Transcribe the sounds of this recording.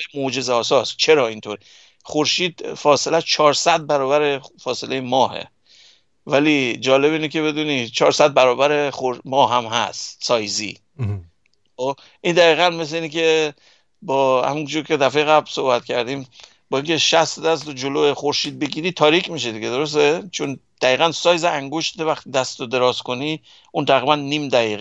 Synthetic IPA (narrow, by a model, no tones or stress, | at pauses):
emod͡ʒe̞zeɒːsɒːst͡ʃʰe̞ɾɒːint̪ʰoɾ | χoɾʃiːd̪fɒːse̞læst͡ʃʰɒːɾsæd̪̚bæɾɒːbæɾefɒːse̞le̞jemɒːɦḛ | vælid͡ʒɒːle̞βiːnekʲʰe̞βe̞d̪uːnit͡ʃʰɒːɾsæd̪̚bæɾɒːbæɾexoɾmɒːɦæmɦæ̰st̪sɒːjzḭ | xob | ʔind̪æɣiːɣænmes̬leinekʰe̞ | bɒːhæ̰mund͡ʒuːɾcʰe̞d̪æfejeɣæblsohbæt̪cʲʰæɾd̪iːm | bɒːiŋkcʰeʃæst̪d̪æs̬t̪od͡ʒoloexoɾʃiːd̪̚be̞ɡiːɾiːt̪ʰɒːɾikʰmiʃ̬ed̪iɡʲed̪o̞ɾo̞s̬t̪et͡ʃʰond̪̥æiːɣænsɒːjziæŋɡoʃt̪t̪evæχt̪id̪æst̪od̪e̞ɾɒːzko̞ni | ʔunt̪ʰæɣɾiːbænːiːmd̪æɣiːɣ